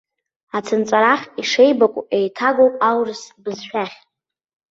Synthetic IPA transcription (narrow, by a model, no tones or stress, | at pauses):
at͡sʰɨnt͡sʼaɾaχʲiʂejbakʷʼejtʰaɡowpʼawrɨsbɨzʃᶣaχʲ